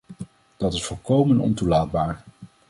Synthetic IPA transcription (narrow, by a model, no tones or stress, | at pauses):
d̥ɑtɪsfɔlˠkowmənɔ̰ntulaːd̚baːɹ